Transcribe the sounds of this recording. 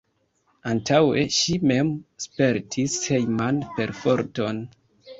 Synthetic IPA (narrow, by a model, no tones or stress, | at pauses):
antawe̞̰ʃime̞mspe̞ɾtʰishejmanpe̞ɾfo̞ɾto̞n